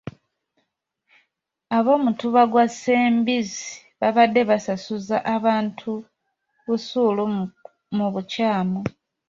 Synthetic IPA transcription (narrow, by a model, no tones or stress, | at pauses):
aβo̞ːmutuβaɡwaseːmbizi | βaβadːe̞βasasuzaʔaβaːntʰu | βusulu | muβucaːmo